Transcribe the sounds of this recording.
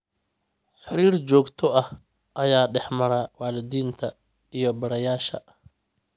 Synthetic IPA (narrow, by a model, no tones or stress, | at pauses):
ħɪɾiːrt͡ʃɔːɡt̪ʰɔɐh | ʔɐjaːɖɛħmɐɾɐwaːlɪd̪iːnt̪ʰɐ | ijɞbɐɽɐjaːʃɐ̰